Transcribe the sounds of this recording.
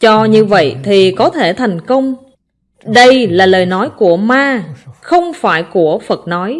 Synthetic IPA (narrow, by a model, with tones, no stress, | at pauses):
t͡ɕɔ˧ɲɨ˧və̰˧˨jt̪ʰi˨˩kɔ˨˦t̪ʰe˧˩t̪ʰɛ˨˩jŋ̟kə˧wŋ͡m | ɗə˧jlaː˨˩ləː˨˩jnɔ˨˦jku˧˩əmaː˧xə˧wŋ͡mfaː˧˩jku˧˩əfə˨˩t̚nɔ˨˦j